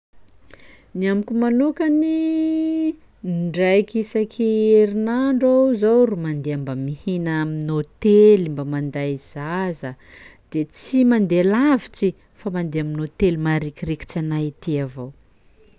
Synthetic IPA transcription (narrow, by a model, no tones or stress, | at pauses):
niamikʲumanukəni | ɳɖ͡ʐajkisakʰieɾinaɳɖ͡ʐazowrumand̪eambamihinaaminot̪elimbamand̪ajz̥azə | d̪̥et͡simand̪elavit͡si | famand̪eaminot̪elmaɾikireki̥t͡sanait̪iavow